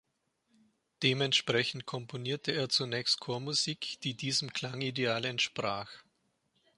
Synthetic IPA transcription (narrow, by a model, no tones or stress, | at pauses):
d̥eːmɛntʃpʁ̥ɛçn̩t̚kʰɔmponiːɐtʰəeːɐt͡sunɛːçst̚kʰoːɐmuziːkd̥iːdiːzəm̩kl̥aŋideaːlɛntʃpʁ̥aːx